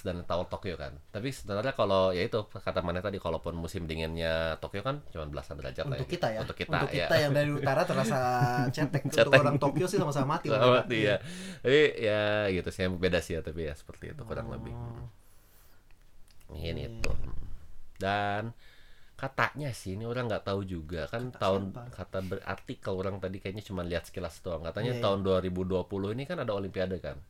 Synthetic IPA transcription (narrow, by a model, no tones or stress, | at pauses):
sdant̪awalt̪okioka̰nt̪apisəbənarɲakalojait̪ukat̪amanat̪adikalopʊnmusɪmdiŋɪnɲat̪okiokant͡ʃumanbəla̰sanbəla̰d͡ʒa̰rla̰j̪ʊɡkːit̪ajaunt̪ʊ̥kːit̪a̰jkia̰ajaŋdaɾiut̪aɾat̪ərasat͡ʃɛt̪ɛk̚t͡ʃɛt̪k̪ɛoɾaŋt̪okiosɪhsamasaamat̪isaamat̪ijat̪apijaɡit̪usaam̚bedasiat̪apija̰sə̥pərt̪ḭːt̪ukuɾa̰ŋlə̰bɪ̰h̩ | inḭt̪ṵə̰dankat̪a̰ʔɲasɪhnioɾaŋɡaʔt̪aud͡ʒuɡakant̪aʊnkat̪abəra̰rt̪ikaloɾaŋt̪adikajaʔɲat͡ʃumanliɦat̪skilast̪oaŋkat̪aɲat̪aʊnduaɾibuduapulʊhinikanadaolimpiadaka̰n